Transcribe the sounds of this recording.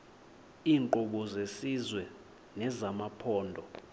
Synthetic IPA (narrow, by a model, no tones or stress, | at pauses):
iːŋǃɔɓɔzesizwɛ | nɛzamapʰɔːndʱɔ